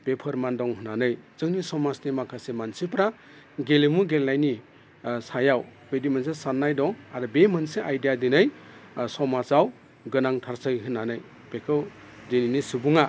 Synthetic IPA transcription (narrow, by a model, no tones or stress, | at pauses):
pepʰɐɾmandɔŋɦɯnanɯjzɯŋnisɔmasnimakʰasemansipɾa | ɡelemuɡelnajni | sajawbedimansesanːajdɔŋaɾɯbemɯnseʔajdijadinɯjsɔmasaw | ɡɯnaŋtʰaɾsɯjɦɯnːanɯj | pekʰɯw | dininisubuŋa